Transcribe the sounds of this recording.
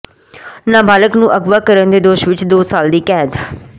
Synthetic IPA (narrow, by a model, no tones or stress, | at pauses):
nãːbaːləknũːʔəɡʋaːkəɾənd̪eːd̪oːʃʋɪt͡ʃd̪oːsaːld̪iːkɛːd̪